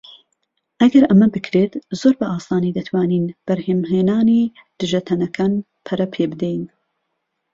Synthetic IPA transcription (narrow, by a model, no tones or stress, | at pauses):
ʔɐɡɐɾʔɐmɐbɨkʰɾeːt̪zoːɾbɐʔaːsaːniːd̪ɐt̪ʰwaːniːnb̥ɐɾheːmɦeːnaːniːd̪̥ɨʒɐt̪ʰɐnɐkʰaːn | pʰɐɾɐpʰeːbɨd̪ejn